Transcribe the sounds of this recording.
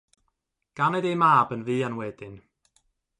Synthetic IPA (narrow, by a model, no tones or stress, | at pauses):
ɡ̥anɛdejmaːbənviːanwɛdɪn